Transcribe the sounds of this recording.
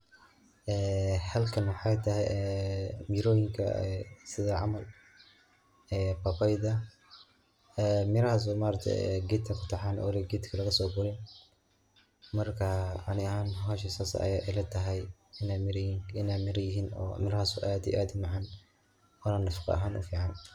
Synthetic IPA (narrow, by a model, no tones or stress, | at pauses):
ʔɛːhɐlkʰɐnwɑħɑjt̪ʰɐɦɛjɛmiɾɔːjɪŋkʰɐ̰sɪðɐʕɑmɐl | ɛːpɐpajd̪ɐ | ɛːmɪɾɐhaːs̬ɔmaːɾt̪ʰɛ̰ɛ̰ɡɛt̪kʰɐkʰʊ̥t̪ʰɐħaːnʔɔ̰ːlɪɡɛːt̪kʰɐlɐɣɐsɔːɡʊɾɪn | mɐrkʰɐɑnɪɐɦaːnhɦɔːʃ̬isaːsɐ̰ɐ̰jaʔɪlɛt̪ʰɐɦɛjɪnamɾɪnaːmɪɾɐjɪɦiːnɔ̰ːmɪɾɐhaːsʊʔaːd̪ḭʔaːd̪ɪmɑʕɑn | wɐɾanːɐfɑ̥qɑ̰ʔɐ̰ɦaːnʔʊ̰fiːʕɑn